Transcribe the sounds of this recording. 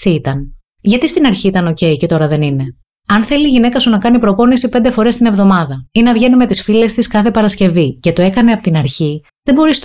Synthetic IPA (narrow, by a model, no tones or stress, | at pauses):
it̪ɐn | ʝɐt̪ist̪inɐɾçiit̪ɐno̞ce̞ice̞t̪o̞ɾɐðe̞nine̞ | ɐnθe̞liːʝine̞kɐsunɐkɐnipɾo̞po̞nisipnd̪efo̞ɾe̞st̪ine̞vðo̞mɐðɐinɐvʝe̞nime̞t̪isfile̞st̪iskɐθe̞pɐɾɐsce̞vice̞t̪o̞e̞kɐneɐpot̪inɐɾçi | ðe̞mbo̞ɾis